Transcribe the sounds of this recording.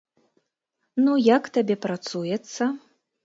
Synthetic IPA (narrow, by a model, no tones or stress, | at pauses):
nujakt̪abʲɛpɾat̪sujɛt̪sːɐ